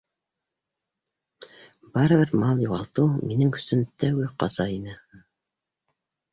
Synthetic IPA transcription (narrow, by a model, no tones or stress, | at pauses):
bɑɾɤ̆βɘɾmɑlˠjuʁɑlˠt̪ɤwminɘŋkɵ̥̆sɵnt̪æwɡɘqɑ̰zɑinɘ